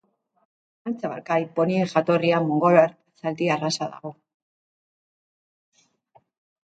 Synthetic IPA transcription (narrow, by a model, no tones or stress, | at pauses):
ant͡saβa̰ɾkaipo̞niexat̪o̞riamoŋɡolaɾt̪ | sald̪iarasaða̰ɣo̞